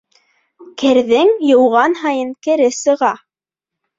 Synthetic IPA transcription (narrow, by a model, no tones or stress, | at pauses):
kʰɘ̆ɾðɘŋjɤ̆wʁɑnɦɑjɤŋkɘ̆ɾɘsɤ̆ʁɑ